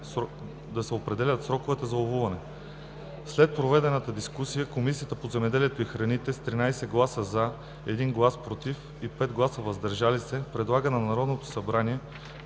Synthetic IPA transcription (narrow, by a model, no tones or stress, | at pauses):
d̪ɐsɛopɾɛd̪ɛlʲɐt̪sɾɔkovɛt̪ɛzɐovuvɐnɛ | slɛt̪̚pɾovɛd̪ɛnət̪əd̪iskusijəkomisijət̪əpozɛmɛd̪ɛliɛt̪oixɾɐnit̪ɛst̪ɾinajsɛɡlˠasəza | ɛd̪inɡlˠaspɾot̪if | ipɛd̪ɡlˠasəvɐzd̪ɐɾʒalisɛpɾɛd̪lˠaɡənɐɐɾɔd̪not̪o̥sɐbɾaniɛ